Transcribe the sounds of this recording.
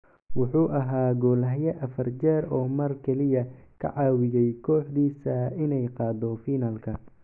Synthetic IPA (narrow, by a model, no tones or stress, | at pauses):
wʊħuːʔɐɦaːɡɔːlɐɦjɐʔɐfɐrt͡ʃɛːɾɔːmɐrkʰɛlɪjɐkʰɐ̰ʕɑːwɪjɛjkʰɔːħd̪iːsɐɪnɛjqɑːd̪ɔfiːnɐlkʰɐ